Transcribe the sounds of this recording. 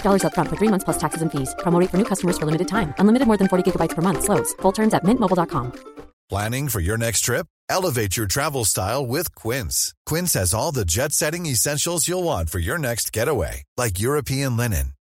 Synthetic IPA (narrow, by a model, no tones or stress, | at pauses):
fdɔlˠə˞zʌt̚fɹʌ̃ntfə˞θɹimʌ̃nθspl̥ʌstʰæksɨzɨ̃n̩fiz̥pʰɹ̥ɑmoʊɾeɪtfə˞nʉkʰʌstəmə˞z̥fə˞lɪ̃mɨɾɨd̚tʰãɪ̃mʔə̃nlɪ̃mɨɾɨd̚mɔɹðɨ̃nfɔɹɾiɡɪɡəbaɪtspʰə˞mʌ̃nθsloʊdz̥fʊlˠtʰɜ̃˞mzɨt̚mɪ̃nʔmoʊbl̩ˠdɑt̚kʰɑ̃mpʰl̥æ̃nɪ̃ŋfə˞jə˞nɛkstʰɹ̥ɪp̚ | ɛlˠəveɪt͡ʃə˞tʰɹ̥ævl̩ˠstaɪlˠwɪð̥kʰw̥ɪ̃nskʰw̥ɪ̃nshɨzɔlˠðɨd͡ʒɛtsɛɾɪ̃ŋɨsɛ̃nʃl̩ˠzjəlˠwɑ̃nfə˞jə˞nɛkst̚ɡ̥ɛɾəwḛɪlaɪk̬jʊɹɨpʰiɨ̃nlɛnɨ̰̃n